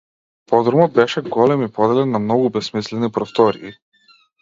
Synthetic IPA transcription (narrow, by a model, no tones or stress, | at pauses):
pɔd̪ɾɔmɔd̪̚bɛʃɛɡɔlɛmipɔd̪ɛlɛnːamnɔɡubɛsmislɛnipɾɔst̪ɔɾḭː